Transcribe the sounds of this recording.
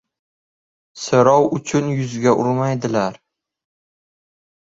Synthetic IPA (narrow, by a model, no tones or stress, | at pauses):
sɪɾɒwʊt͡ʃʰʊnjʊzɡʲaʔʊɾmajd̪ɪlaɾ